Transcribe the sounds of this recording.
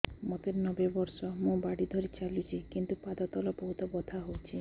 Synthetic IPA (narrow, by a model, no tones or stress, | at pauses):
mɔt̪eɾnɔbebɔɾsɔmũbaɽid̪ʱɔɾit͡ʃalut͡ʃʰikint̪upad̪ɔt̪ɔlɔbɔɦut̪ɔbɔd̪ʱaɦowt͡ʃʰi